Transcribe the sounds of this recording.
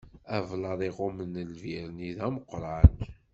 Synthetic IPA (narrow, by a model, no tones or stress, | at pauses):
ævlɑðˤiʁʊmənəlviɾniðæməqːɾˤɑn